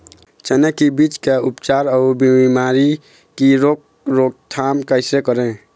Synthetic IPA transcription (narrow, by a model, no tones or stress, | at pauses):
t͡ʃənekibit͡ʃkeupt͡ʃaɾɔʊbiimaɾi | kiɾok | ɾoɡ̚t̪ʰamkaɪsɾekəɾẽ